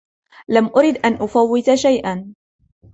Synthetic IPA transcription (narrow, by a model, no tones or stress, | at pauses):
lamʔʊɾɪd̪ʔanʔʊfawːɪt̪aʃajʔan